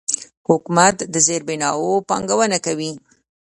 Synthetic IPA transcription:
hʊkumat̪d̪əzeɾbɪnɑopɑŋɡawənakawi

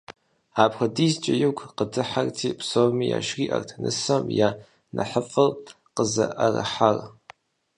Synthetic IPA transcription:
apʰχadizt͡ʃʼajukʷʰqədɨħartʰipʰsomija̰ʃɡʲiʔa̰rtʰnɨsamja | nʔaħəfʼɨl | qəzaʔaraħar

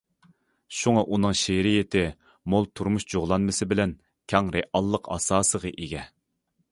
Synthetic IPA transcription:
ʃuŋɑʔunɨŋʃeɾijɪt̪ɪ | molˠt̪ʰuɾmuʃd͡ʒoʁlˠɑnmɨsɪbɪlɛn | kʲʰɑŋɾeʔɑlˠːəqʰɑ̰sɑːsəʁəʔeɡʲɛ

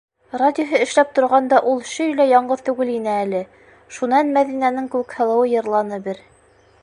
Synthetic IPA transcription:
radʲɪoɦɤɘ̆ʃlæp̚t̪ŏɾʁɑnd̪ɑʔulˠʃɵjlæjɒɴɢɤðt̪ʉɡɘlinɘælɘ | ʃunɑnmæðinænɘŋkʉɘkhɤ̆lˠɤ̆wɤjɤ̆ɾlˠɑnɤbɘɾ

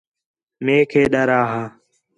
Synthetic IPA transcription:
meːkʰeːɗəɾaːɦaː

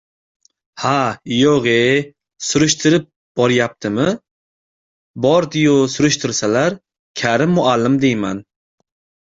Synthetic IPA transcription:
hajoʁe | sʊɾʊʃt̪ɪɾɪp̚ | b̥ɒɾjap̚t̪ʰɪmɪ | bɒɾd̪ijosʊɾʊʃt̪ʰɪɾsalaɾ | kʲʰaɾɪmːʊalːɪmd̪ejman

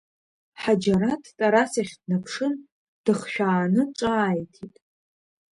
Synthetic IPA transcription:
ħad͡ʒaɾatʰtʼaɾasaχʲdnapʰʂɨn | d̥ɨχʃᶣaːnɨʈ͡ʂʷʼaːjtʰitʼ

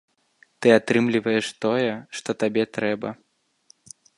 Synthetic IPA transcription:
t̪ɨat̪ɾɨmlʲivɐjɛʂt̪ɔjɛʂt̪ɔt̪abʲɛt̪ɾɛbɐ̰

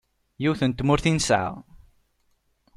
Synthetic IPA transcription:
jiwθənt̪mʊɾθinsʕa̰ʁ

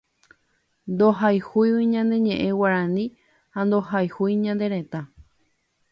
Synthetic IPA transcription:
nd̪oɦajhujwiɲãnd̪e̞ɲẽ̞ʔẽ̞waɾãnĩ | hand̪o̞hajhujɲãnd̪e̞ɾẽ̞t̪a

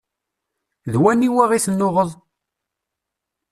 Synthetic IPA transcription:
ðwænːiwæʁiθənːʊʁəðˤ

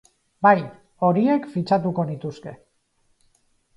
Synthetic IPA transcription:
baj | o̞ɾie̞kfit͡ʃat̪uko̞nit̪uske̞

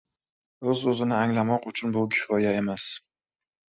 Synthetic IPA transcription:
ɵzɵzɪnɪaŋlamɒqʊt͡ʃʰʊnbʊkʲʰɪ̥fɒjae̞mas

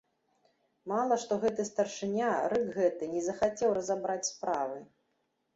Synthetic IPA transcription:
malˠɐʂt̪ɔɣɛt̪ɨst̪ɐrʂɨnʲaɾɨkɣɛt̪ɨnʲɛzɐxat͡sʲɛwrɐzabɾat͡sʲspɾavɨ

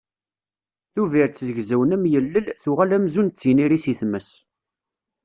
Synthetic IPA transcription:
θuviɾt͡sːzəʝzæwənæmjəlːəlθuʁælæmzunt͡sːəniɾisiθməs

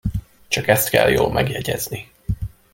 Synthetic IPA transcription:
t͡ʃɒkɛst̪kɛ̰ljoːlmʔɛɡjɛɟɛzni

